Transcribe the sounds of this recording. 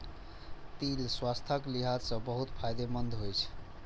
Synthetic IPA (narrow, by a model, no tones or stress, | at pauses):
t̪ilswast̪ʰəkliɦad͡ʒsə̃bəɦut̪pʰajd̪emənd̪ʱɦojt͡ʃʰ